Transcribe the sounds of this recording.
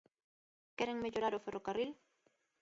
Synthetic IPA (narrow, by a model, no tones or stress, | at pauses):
keɾeŋmeʎoɾaɾoferʔokaril